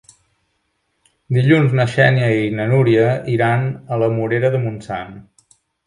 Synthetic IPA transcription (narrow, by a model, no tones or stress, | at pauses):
d̪iʎunznəʃɛniəinənuɾiəʔiɾanələmuɾeɾəðəmunsa̰n